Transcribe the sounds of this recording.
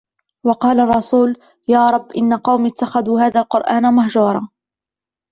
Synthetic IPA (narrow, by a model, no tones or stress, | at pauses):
wɑqɑːlarˤːɑsuːl | jaːɾˤɑbːʔɪnːaqɑwmɪt̪ːaxaðuːhaːðalqʊɾʔaːnamahd͡ʒuːɾˤɑː